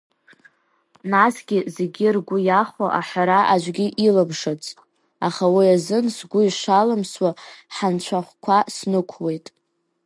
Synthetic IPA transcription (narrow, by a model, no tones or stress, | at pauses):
nasɡʲɪzeɡʲirɡʷʊjaχʷoʔaħʷᶣaɾaʔad͡ʒʷɡʲiʔilabʂat͡sʼ | a̰χawiazɨnsɡʷʊiʂalamswaħant͡ɕʷʰaχʷkʷʰasnɨkʷʰwe̞jtʼ